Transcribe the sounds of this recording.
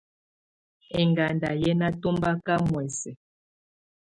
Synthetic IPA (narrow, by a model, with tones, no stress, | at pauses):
ɛ˨ŋɡa˨nda˨jɛ˦na˦to˦mba˦ka˦mwɛ˨sɛ˨